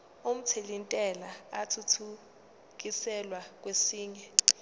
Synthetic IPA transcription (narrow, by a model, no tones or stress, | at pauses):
um̩tʰelintʼɛlaːtʰutʰu | k̬isɛlwak̬wesiːɲɛ